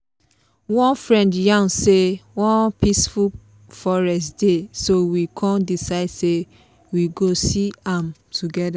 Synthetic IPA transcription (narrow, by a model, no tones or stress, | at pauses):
wɔ̃nfɹɛ̃ndjãŋsewɔ̃npisfu | fɔɹɛstdesowikʰɔ̃ndisaɪdse | wiɡosiãmtuɡɛda